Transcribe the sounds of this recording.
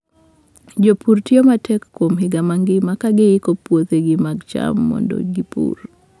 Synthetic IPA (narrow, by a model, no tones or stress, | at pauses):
d͡ʒopʰuɾtiomatʰɛkːwomɦɪɡamaŋɡɪmakaɡeikopwot̪eɡɪmaɡt͡ʃa̰mːɔ̰ndɔ̰ɡipṵr